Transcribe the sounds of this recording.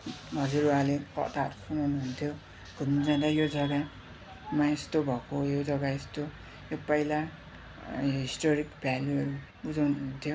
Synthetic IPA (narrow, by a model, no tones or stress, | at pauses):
mʌd͡ziɾualekʌ̰t̪aʌɾusʰunawnuɦunt̪ʰjo | ɡ̥ʱumid͡zãd̪ajod͡zʌɡa | mãest̪obʱʌkojod͡zʌɡaest̪o | jopʌjla | joɦɦisʈoɾikbʱjaljuʌɾu | bud͡zawnuɦunt̪ʰjo